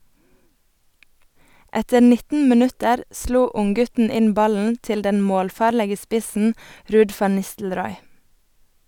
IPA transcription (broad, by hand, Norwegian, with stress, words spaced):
ˈɛtə ˈnɪtn̩ məˈnʉtəɾ ˈsluː ˈʊŋˌɡʉtn̩ ˈɪn ˈbɑln̩ ˈtɪl ˈdɛn ˈmoːlˌfɑːɾləɡə ˈspɪsn̩ ˈɾʉːd ˈfɑn ˈnɪstl̩ˌɾɔʏ